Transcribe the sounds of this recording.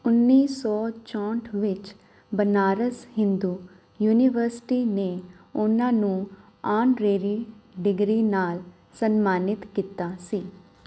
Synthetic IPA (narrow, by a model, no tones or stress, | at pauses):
ʊnːiːsɔːt͡ʃɔ̃ːɳʈʰʋɪt͡ʃ | bənaːɾəshɪ̃nd̪uː | juːniʋəɾsɪ̥ʈiːneː | ʊnãːnũː | aːnɾeːɾiːɖɪɡɾiːnaːl | sənmaːnɪt̪kiːt̪aːsiː